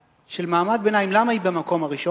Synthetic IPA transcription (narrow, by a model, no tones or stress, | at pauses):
ʃe̞lmaːmad̪̚benajimlamaibemako̞maʁiʃo